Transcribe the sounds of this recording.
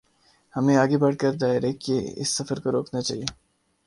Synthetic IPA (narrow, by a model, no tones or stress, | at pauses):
hɐmẽaːɡebɐɽkəɾd̪aːɪɾekiɪ̰sːəfəɾkoɾoːknat͡ʃa̰ːɦie